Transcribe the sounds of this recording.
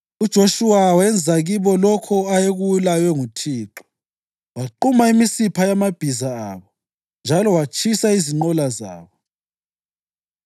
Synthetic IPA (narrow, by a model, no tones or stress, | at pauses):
ud̥ʒ̥ʱoʃuwawɛnd͡zʱaɣiβɔlɔkʰɔajeɣuwulajwɛŋutʰiːǁɔ̥ | waǃumaimisipʰajamab̥ʱizaaːβɔ | nd͡ʒʱalɔwat͡ʃʰʼisaiziŋ͡ǃɔlaza̰ːβɔ